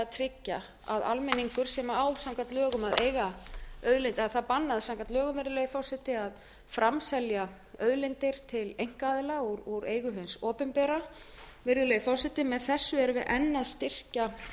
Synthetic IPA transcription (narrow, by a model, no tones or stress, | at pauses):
aðt̪ʰɾɪcːa | a̰ða̰lmɪnːiŋkʏɾ̥sɛmaawsamkat̪lœːɣʏmaðḛːjɣaœðlent̪ɪaθaðpanːaðsamkat̪lœːɣʏmvɪɾðʏlejɪfɔsɪt̪ɪað | fɾamsɛlja | œðlejnt̪ɪɾ̥t̪ʰɪlejŋ̥kaːðɪlaɣuɾuɾeːjɣʏɦɪnsɔːpɛmpɛːɾa | vɪɾðʏlejɪfɔsɪt̪ɪmɛðθɛsːʏɛɾvɪðʔɛnːaðst̪ɪr̥ca